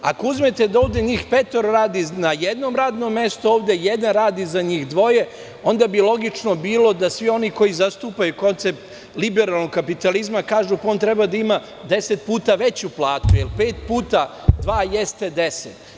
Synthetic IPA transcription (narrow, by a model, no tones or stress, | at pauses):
a̰kouzmet̪e̞d̪ao̞ːʋd̪e̞ɲiːxpet̪oɾoɾaːd̪inajed̪no̞mɾaːd̪no̞mːe̞st̪uoːʋd̪e̞jed̪anɾaːd̪izaɲiːxd̪ʋo̞je̞ | o̞nd̪abilo̞ɡit͡ʃno̞biːlo̞d̪asʋio̞niko̞jizast̪uːpajuko̞nt̪se̞p̚t̪ | libeɾaːlˠnoɡkapit̪alizmakaːʒupao̞ːnt̪ɾe̞bad̪aima | d̪e̞set̪̚puːt̪aʋe̞t͡ɕuplˠaːt̪ujelpe̞ːt̪puːt̪a | d̪ʋaːje̞st̪e̞d̪e̞set̪